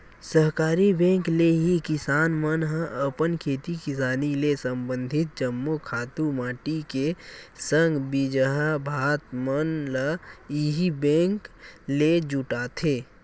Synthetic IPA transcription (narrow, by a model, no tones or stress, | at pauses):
səɦkaːɾibɛ̃ːŋkleɦikɪsaːnmənɦəʔəpənkʰeːt̪ikɪsaːnilesəmbə̃nd̪ʱɪt̪̚d͡ʒəmːokʰaːt̪umaːʈikesəŋɡbid͡ʒəɦabʱaːt̪mənlaiɦibɛ̃ːŋkled͡ʒʊʈaːt̪ʰeː